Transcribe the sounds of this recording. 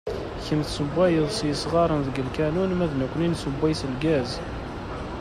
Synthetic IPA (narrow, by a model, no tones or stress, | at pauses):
çəmθsəbʷːæjəðˤsjəsʁɑɾˤənðəɡəlkænunmæðnækʷːəninsəbːæjsəlɡæz